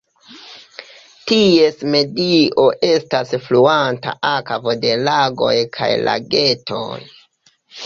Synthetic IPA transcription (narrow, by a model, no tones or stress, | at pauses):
tie̞sme̞dio̞ʔe̞stasfluanta̰ʔakavode̞laɡo̞̰jkʰa̰jla̰ɡe̞tʰo̞̰j